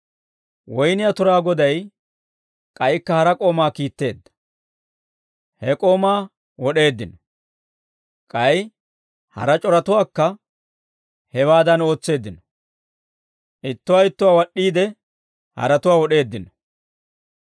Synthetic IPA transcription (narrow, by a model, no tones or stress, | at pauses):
wɔjnɪjat̪ʊɾaːɡɔd̪ɐj | kʼɐjkːɐhɐɾɐkʼo̞ːmaːkiːt̪ːe̞̰ːd̪ːɐ̥ | hɛkʼoːmaː | wɔɗe̞ːd̪ːɪnɔ | kʼɐj | hɐ̰ɾɐt͡ʃʼɔɾɐt̪ʊwaːkːɐ | hɛwaːd̪ɐno̞ːt͡sːe̞ːd̪ːɪnɔ̥ | ʔɪt̪ːʊwaːɪt̪ːʊwaːwɐɗːiːd̪ɛ | hɐ̰ɾɐt̪ʊwaːwɔɗe̞ːd̪ːɪnɔ̥